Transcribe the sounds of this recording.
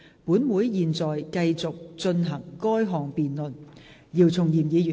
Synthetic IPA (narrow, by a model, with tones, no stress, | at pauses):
puː˨˥nwuː˨˥jjiː˨nt͡sɔː˨˩jkɐ˧jt͡sʊ˨k̚t͡ʃɵ˧nɦɐ˨˩ŋkɔː˥jɦɔː˨ŋpiː˨nlɵ˨n | jiː˨˧wt͡sʰʊ˨˩ŋjiː˨˩mjiː˨˧y˨